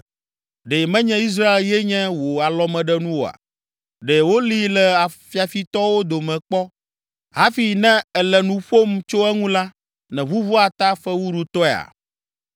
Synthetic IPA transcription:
ɖe˨mɛ̃˦ɲɛ̃˦i˦s̬ɾa˦e˨ljɛ˦ɲɛ̃˦wo˨a˨lɔ˦mɛ̃˨ɖɛ˦nũ˦wo˨a̰˨ | ɖɛ˨wo˦li˦lɛ˨a˨fi˦a˨fi˦t̪ɔ˦wo˦d̪o˨mɛ̃˨k͡pɔ˦ | ɦa˦fi˨nɛ̃˦ɛ˨lɛ˨nũ˨ɸo˦mt͡ʃo˦ɛ˦ŋũ˦la˦ | nɛ̃˨βu˦vu˦a˨t̪a˦fɛ˦wu˦ɖu˦t̪ɔ˦ɛ˨a̰˨

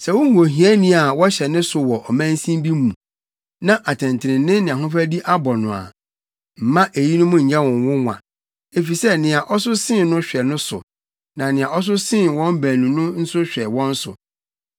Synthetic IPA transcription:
sɛ˨wʊ̃˦hu˨o˨ɦi˨˦ɛ˦nĩ˦a˨wɔ˦ɕɛ˨nɪ̃˦sʊ˨wɔ˨ʔɔ˨mæ̃˦n˦sĩ˦mbi˦mũ˨ | nã˦ʔa˨tʰɛ̃˨ntʰɪ˨ɾɪ̃˨nɪ̃˦nɪ̃˨ã˨ɦʊ̃˦fæ˦di˦ʔa˦bɔ˨nʊ̃˨a̰˨ | m̩˨mã˦ʔe˨ji˦nʊ̃˦mʊ̃˦ɲ̩˨ɲa˦wɔ̃˨n˨wʊ̃˦ŋʷã̰˨ | e˨fi˨sɛ˦nɪ̃˨a˨ʔɔ˦sʊ˦sɪ̃˦˨nnʊ̃˦ɕᶣɛ˨nʊ̃˦sʊ̰˨ | nã˨nɪ̃˨ã˨ɔ˦s̬ʊ˦sɪ̃˦˨wɔ̃˦m˦bæ̃˨nũ˨nʊ̃˦n̩˦sʊ˦ɕᶣɛ˨wɔ̃˦n˦sʊ̰˨

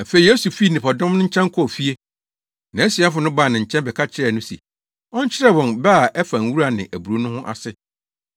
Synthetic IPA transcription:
a˨fe˨i˨je˦su˨fiː˦˨nɪ̃˨pʰaɔ˨dɔ̃˦mnʊ̃˦ɲ̩˦t͡ɕʰɛ̃˦ŋ˦kʰɔ˦ɔ˨fi˦e˦ | nã˨ɛ˦si˨a˦fʊ˨˦nʊ̃˦ba˦˨nɪ̃˨ɲ̩˨t͡ɕʰɛ̃˦nbɛ˨kʰa˦t͡ɕʰɪ˦ɾɛ˦˨nʊ̃˦sḭ˨ | ɔ̃˦ɲ˦t͡ɕʰɪ˦ɾɛ˦wɔ̃˨nba˦˨ʔɛ˦fa˨n̩˨˦wu˦ɾa˨nɪ̃˨ʔæ˨bu˨ɾo˨˦nʊ̃˦hʊ̃˦ʔa̰˨sɪ˦

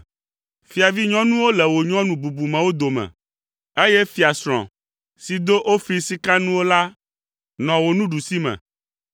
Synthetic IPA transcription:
fi˨a˨vi˦ɲɔ̃˦nũ˦wo˦lɛ˨wo˨ɲɔ̃˦nũ˨bu˨bu˨mɛ̃˨wo˦d̪o˨mɛ̰̃˨ | e˦jɛ˦fi˨a˨sɾ̃ɔ̰̃˨ | si˨d̪o˦ʔo˦fi˦si˦ka˦nũ˦wo˦la˦ | nɔ̃˨wo˨nũ˦ɖu˨si˦mɛ̰̃˨

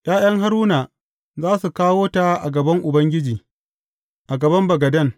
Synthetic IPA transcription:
ʔj̰aː˦j̰ɐ˦ŋɦa˦ɾuː˦na˨ | zaː˦su˨kaː˦woː˦ta˨ʔa˨ɡɐ˨bɐ˦ŋʔʊ˨bɐ˦ŋɡʲɪ˦d͡ʒiː˨ | ʔa˨ɡɐ˨bɐ˦mbɐ˨ɡɐ˨dɐ˦˨ŋ

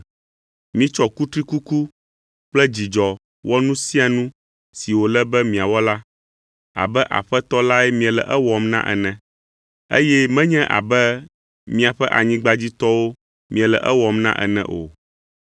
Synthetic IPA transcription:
mĩ˦t͡ʃɔ˦ku˦t̪ɾi˦ku˦ku˦ | k͡plɛ˦d͡ʑi˨d͡ʒɔ˨ | wʔɔ˦nũ˦sĩ˦a˨nũ˦ | si˨wo˨lɛ˦bɛ˦mĩ˨a˨wɔ˦la˦ | a̰˨bɛ˦ʔa̰˨ɸɛ˦t̪ɔ˦la˦ɛ˦mĩ˦ɛ˨lɛ̰˨ʔɛ˦wɔ˨mnã̰˦ʔɛ̰˨nɛ̃˨ | e˦jɛ˦mɛ̃˦ɲɛ̃˦ʔa̰˨bɛ˦ | mĩ˦a˨ɸɛ˦ʔa̰˨ɲĩ˦ɡ͡ba˦d͡ʑi˦t̪ɔ˦wo˦ | mĩ˨ɛ˨lɛ̰˨ʔɛ˦wɔ˨mnã̰˦ʔɛ̰˨nɛ̰̃˨ʔo̰˨

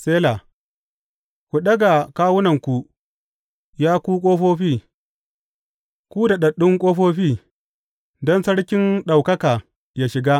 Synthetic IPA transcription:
seː˦la˨ | kʷu˨ɗɐ˦ɡa˨kaː˦wʊ˦nɐ˨ŋkʷu˨ | jaː˦kʷuː˦kʷʼoː˦ɸoː˦ɸiː˦ | kʷuː˦da˨ɗɐ˨ɗʊ˦ŋkʷʼoː˦ɸoː˦ɸiː˦˨ | dɔ˦nsɐ˦ɽkʲɪ˦nɗa˨wkɐ˦kaː˨ | jaː˦ʃɪ˨ɡa˦

